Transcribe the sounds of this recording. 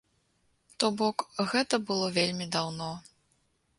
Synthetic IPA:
t̪ɔbɔkɣɛt̪ɐbɨlˠɔvʲelʲmʲid̪awnɔ

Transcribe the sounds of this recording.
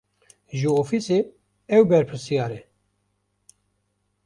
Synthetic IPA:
ʒɨofise | ɛwbɛɾpʰɨɾsijɑːɾɛ

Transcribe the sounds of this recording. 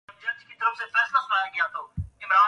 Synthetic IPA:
d͡ʒəd͡ʒkiːt̪əɾəfsẽfɛːslasʊlaːjekijãːt̪ʰoːɪmɾaː

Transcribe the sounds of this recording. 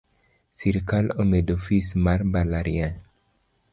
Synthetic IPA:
siɾkalomedofismaɾbalaɾian

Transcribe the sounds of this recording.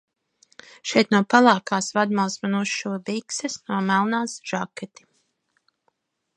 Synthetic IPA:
ʃɛjt̪nuɔpalˠɑːkaːsvad̪malˠsmanuʃːuviksɛsnuɔmælˠnaːsʒ̥akɛt̪i̥

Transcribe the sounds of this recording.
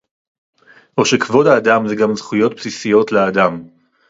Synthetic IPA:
ʔoʃekvo̞daːd̪amzeɡamzχujo̞t̪psisijo̞t̪lead̪am

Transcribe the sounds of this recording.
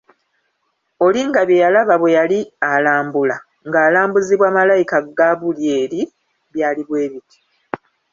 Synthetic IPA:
o̞liŋɡaβjejalaβaβwe̞jalialaːmbula | ŋɡaːlaːmbuziβwaːmalajikaɡaβulje̞ːɾi | βjaːliβwe̞ːβitʰi̥

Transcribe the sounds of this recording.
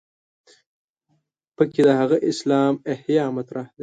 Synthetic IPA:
pəked̪əhaɣaʔɪslɑːmehjɑːmat̪ɾahd̪e

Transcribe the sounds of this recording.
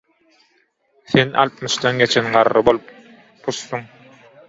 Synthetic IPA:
θenɑ̰lˠt̪̚mɯʃd̪ɑnɡe̞t͡ʃʰenɢɑɾːɯbo̞lˠp | pʰːusːuŋ

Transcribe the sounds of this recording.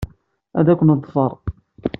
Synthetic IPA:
æðækʷʊnəðˤfəɾˤ

